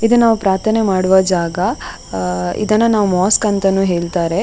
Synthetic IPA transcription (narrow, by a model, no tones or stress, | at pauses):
id̪ɐnːaːʋupɾaːɾt̪ʰɐnemaːɽuʋɐd͡ʒaːɡɐ | ḭd̪ɐnːɐnaːʋumaːskɐnt̪ɐnuːɦe̞ːɭt̪aːɾe̞